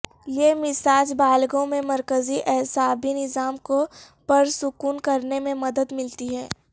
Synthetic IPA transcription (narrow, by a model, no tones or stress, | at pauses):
jemɪsaːd͡ʒbaːlɡõmẽmɐɾkəziʔɛɦsaːbʱinɪzaːmko | pɐɾsʊkuːnkɐɾnemẽmɐd̪əd̪mɪlt̪iɦɛː